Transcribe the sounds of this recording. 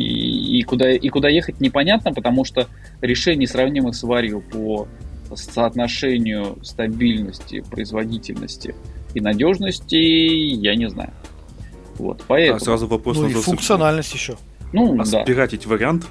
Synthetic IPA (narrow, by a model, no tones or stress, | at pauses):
ḭkʊd̪aʔikʊd̪ajexət̚ʲnʲɪpɐnʲat̪̚nəpət̪ɐmuʂt̪o | ɾʲɪʂɛnʲɪjsɾɐvnʲimɨxsʲvaɾʲjʊposəːt̪nɐʂɛnʲɪjʊst̪ɐbʲilʲnəsʲtʲɪ̰pɾə̰ɪzvɐdʲitʲɪlʲnə̰sʲtʲɪ̰ːnɐdʲo̞ʐnəsʲtʲɪjanʲɪzna̰jʊ | vo̞̰t̪pɐɛɛt̪sɾazʊvɐpɾosofʊkt̪sɨɐnalʲnəsʲtʲjɪɕːo | nud̪a̰bʲɪɾatʲetʲvəɾʲɪant̪